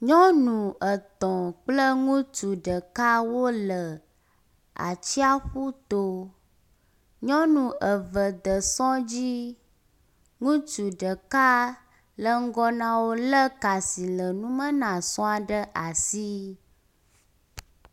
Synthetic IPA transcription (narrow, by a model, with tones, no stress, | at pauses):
ɲɔ̃˦nũ˨ʔə˨t̪ɔ̃˨k͡plə˦ŋũ˦t͡ʃu˨ɖə˨ka˦wo˦lə˨ | a̰˨t͡ɕi˦a˦xu˦t̪o˦ | ɲɔ̃˦nũ˨ə˨və˨d̪ə˨sɔ̃˦d͡ʑi˦ | ŋũ˦t͡ʃu˨ɖə˨ka˦ | lə˦ŋ̩˦ɡɔ˦nã˨wo˦lə˦ka˨si˨lə˨nũ˦mə̃˦nã˨sɔ̃˦a˨ɖə˦ʔa˨si˦